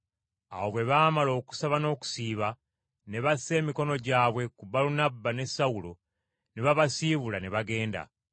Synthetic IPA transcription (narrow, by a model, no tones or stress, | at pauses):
awo̞βwe̞βaːmalo̞ːku̥saβano̞ːku̥siːβa | ne̞βase̞ːmiko̞no̞ɟaːβwe̞kubalunabːane̞saulo | neβaβasiːβulaneβaɡe̞ːnda̰